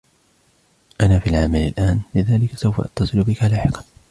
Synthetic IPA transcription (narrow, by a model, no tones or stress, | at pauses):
ʔanaːfiːalʕamala̰lʔaːnlɪðaːlɪkḁsawfa̰ʔɑ̰t̪ːɑsˤɨlʊbɪkalaːħɪqɑ̥n